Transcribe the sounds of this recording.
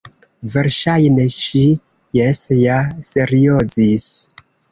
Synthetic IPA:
ve̞ɾʃajneʃi | jesjase̞ɾio̞zis

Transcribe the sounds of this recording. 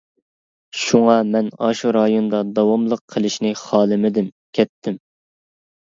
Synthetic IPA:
ʃuŋɑmɛnɑ̰ʃuɾɑjond̪ɑd̪ɑwɑmlˠəqʰːəlˠɪʃnɪχɑːlˠɪmɪd̪ɪm | kʲʰɛt̪ʰːɪm

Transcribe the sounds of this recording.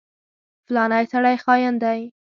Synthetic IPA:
flɑnajsaɽajxɑjand̪aj

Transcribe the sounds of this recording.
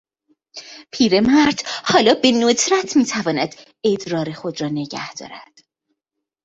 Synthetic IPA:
pʰiːɾe̞mæɾd̪̥hɒːlɒːbe̞not̪ʰɾæt̪ʰmiːt̪ʰævɒːnæd̪ | ed̪ɾɒːɾexod̪ɾɒːne̞ɟæ̰hd̪̥ɒ̰ːɾæ̰d̪̥

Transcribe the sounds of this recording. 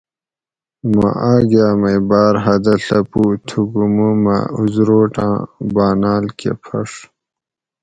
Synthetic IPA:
ma̰ʔaːɡaːmɐjbaːɾɦɐd̪ɐɬɐpuːt̪ʰuɡumuma̰uzɾoːʈã̰ːbaːnaːlkḛpʰɐʂ

